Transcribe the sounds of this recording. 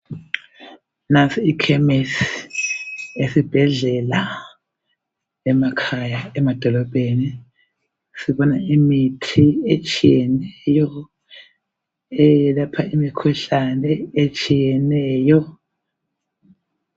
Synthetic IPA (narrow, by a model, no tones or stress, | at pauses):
nasʰʼiikʰɛmis | esib̥ʱɛɮɛla | ɛmakʰajaɛmad̥ʱɔlɔb̥ʱeni | siβɔnaimitʰiet͡ʃʼijɛnɛjɔ | ɛjɛlapʰaimikʰuɬanɛet͡ʃʼijɛnɛːjɔ